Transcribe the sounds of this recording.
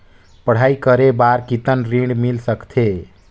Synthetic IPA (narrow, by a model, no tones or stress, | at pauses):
pəɽ̤aikəɾebaɾkit̪ənɾiɳɖmilsəkt̪ʰe